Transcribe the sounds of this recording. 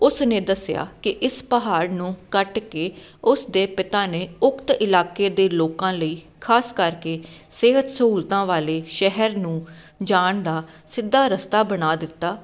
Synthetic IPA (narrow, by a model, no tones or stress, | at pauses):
ʊsnẽːd̪əsɪja̰ːkɪʔɪspəɦaːɾnũːkəʈkeː | ʊsd̪eːpɪt̪aːneːʊkt̪ɪlaːkeːd̪eːloːkãːləiː | kʰaːskəɾkeːseːɦət̪səɦuːlt̪ãːʋaːleːʃɛɦəɾnũː | d͡ʒaːɳd̪aː | sɪd̪ːaːɾəst̪aːbənaːd̪ɪt̪ːaː